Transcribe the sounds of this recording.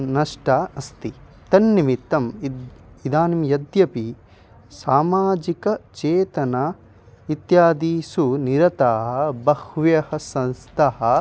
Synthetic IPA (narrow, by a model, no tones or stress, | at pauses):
nɐʂʈaːɐst̪i | t̪ɐnːimit̪ːɐm | id̪aːnimjɐd̪jɐpi | saːmaːd͡ʒikɐt͡ʃeːt̪ɐnaː | it̪jaːd̪iːsuniɾɐt̪aːɦɐbɐhʋjɐhɐsɐ̃nst̪ʰɐɦɐ̆